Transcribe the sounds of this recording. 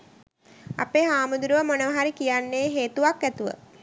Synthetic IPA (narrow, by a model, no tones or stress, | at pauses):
a̰peːɦaːmud̪uɾuʋəmonəʋaɦaɾikijanːeːɦeːt̪uʋakːæt̪uʋə̰